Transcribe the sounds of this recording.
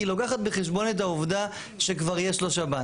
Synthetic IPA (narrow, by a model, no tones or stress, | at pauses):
ilokaχat̪beχe̞ʃbo̞net̬auvd̪a | ʃe̞kvaʁjeʃloʃaba